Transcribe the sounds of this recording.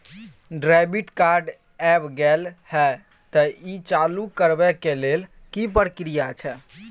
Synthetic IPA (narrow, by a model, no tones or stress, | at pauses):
ɖɾabiʈkaɾɖ | ɛbɡɛlhɛ | t̪əit͡ʃalukəɾbɛkelel | kipəɾkɾijat͡ʃʰɛ